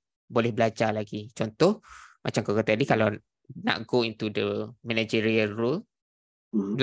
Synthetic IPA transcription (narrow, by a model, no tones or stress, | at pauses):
bolɛhbəlad͡ʒalaɡit͡ʃɔnt̪ɔhmʔat͡ʃamkakət̪adikalaw | nã̰ʔɡoint̪udəmɛnad͡ʒiɾiənrul | bl